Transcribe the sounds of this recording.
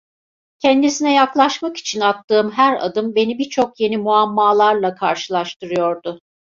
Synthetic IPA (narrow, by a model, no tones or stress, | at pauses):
cʰɛnd̪isinɛjaklˠaʃmaki̥t͡ʃʰinat̪ːɯːmɦæɾa̰d̪ɯmbe̞nibiɾt͡ʃʰo̞kje̞nimuamːaːlˠaɾlˠakʰaɾʃɯlˠaʃt̪ʰɯɾɯjo̞ɾd̪ʊ